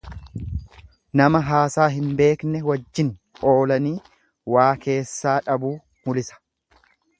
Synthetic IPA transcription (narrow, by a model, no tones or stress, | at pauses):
nɐmɐɦaːsaːɦɪmbe̞ːknɛwɐd͡ʒːɪn | o̞ːlɐniː | waːke̞ːsːaːᶑɐbuː | mʊlɪsɐ̥